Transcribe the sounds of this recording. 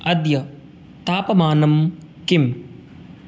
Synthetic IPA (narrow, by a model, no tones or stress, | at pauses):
ɐd̪jɐ | t̪aːpɐmaːnɐm | kim